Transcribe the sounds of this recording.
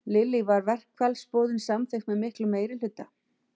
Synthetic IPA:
lɪlivaɾvɛr̥kʰvɛlspɔːðʏnsamθexmɛðmɪhklʏmːeːjɾɪl̥ʏt̪ːa

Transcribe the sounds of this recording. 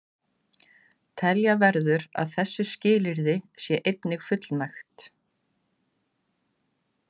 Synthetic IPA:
t̪ʰɛljavɛɾðʏɾa̰ðθɛsːʏscɪːlɪɾðɪsjɛʔejt̪nɪɣfʏt̪lnajxt̪

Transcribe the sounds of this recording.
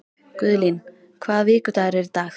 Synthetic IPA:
kʏðlin | kʰvaːðvɪːkʏt̪aɣɾɛɾt̪aːx

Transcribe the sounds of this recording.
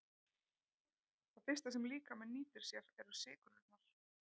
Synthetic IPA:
θaðfɪst̪as̬ɛmliːkamɛðniːt̪ɪɾ̥sjɛvɛɾʏ̥sɪːkʏnʏt̪naɾ̥

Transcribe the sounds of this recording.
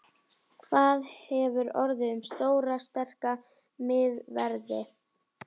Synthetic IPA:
kʰvaːðhɛvʏɾɔɾðɪʏmst̪oːwɾast̪ɛr̥ka | mɪðvɛɾðɪ

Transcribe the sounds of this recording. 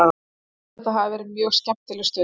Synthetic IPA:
a | t̪aɦavvɛːɾɪt̪mjœːɣscɛm̥t̪ɪlɛst̪œː

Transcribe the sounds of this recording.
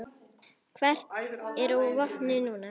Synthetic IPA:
kʰvɛr̥t̪ɛɾɔvɔhnɪnuːna

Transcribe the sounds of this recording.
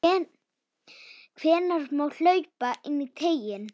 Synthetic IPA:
kʰvɛːnaɾ̥moːwl̥œːɥpaʔɪnːit̪ʰeːjɪn

